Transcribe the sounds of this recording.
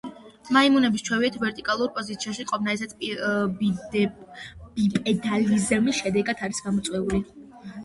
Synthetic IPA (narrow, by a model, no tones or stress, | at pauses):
maimunɛbist͡ʃʰwɛviɛt̪ʰvɛɾt̪ʼikʼalˠuɾpʼɔzit̪sʰiaʃiqʼɔvnaɛsa | bipʼɛd̪alizmisʃɛd̪ɛɡat̪ʰaɾisɡamɔt̪sʼwɛuli